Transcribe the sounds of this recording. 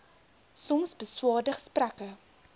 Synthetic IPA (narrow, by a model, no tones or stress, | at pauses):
sɔmsbəswɑːdəχsprækə